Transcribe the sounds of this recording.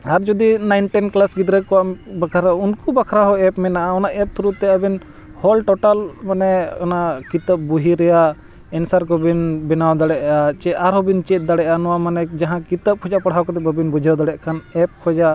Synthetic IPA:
aɾd͡ʒud̪inajnʈɛnklasɡid̪ɾəkɔaʔbakʰaɾaunkubakʰɾaɦɔɛpmɛnaʔaɔnaʔɛp̚t̪ʰuɾut̪ːɛabin | hɔlʈɔʈalmanɛɔnaʔkit̪əp̚buɦiɾɛja | ɛnsaɾkɔbinbɛnawd̪aɽɛʔat͡ʃɛaɾɦɔbint͡ʃɛt̪̚d̪aɽɛʔanɔwamanɛd͡ʒaɦãkit̪əp̚kʰɔd͡ʒapaɽ̤awkɔt̪ɛbəbinbud͡ʒʱawd̪aɽɛʔkʰanɛp̚kʰɔd͡ʒa

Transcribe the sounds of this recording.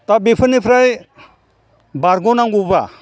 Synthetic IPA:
t̪abepʰənipʰɾaj | baɾɡonaŋɡuba̰

